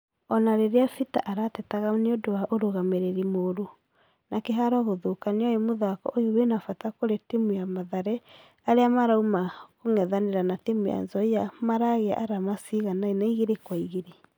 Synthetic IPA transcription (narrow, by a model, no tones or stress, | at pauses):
ɔnaɾeɾeafita̰ʔaɾatɛtaɣaneodowaʔoɾoɣameɾeɾimoɾo | nakeɦaɾɔɣoðokaneɔjemoðakɔ̰ʔojowenafatakoɾetemujamaðaɾɛ | aɾeamaɾaumakoŋɛðaneɾanatemuja̰nzɔiamaɾaɣea̰ʔaɾamasiɣanainaiɣeɾekwaiɣeɾe